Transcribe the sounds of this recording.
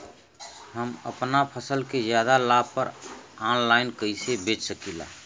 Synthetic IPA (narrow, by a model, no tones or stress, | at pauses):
ɦəmə̰pnapʰəsəlkezjad̪alabpəɾaːnlaɪnkəisebeːt͡ʃsəkila̰ː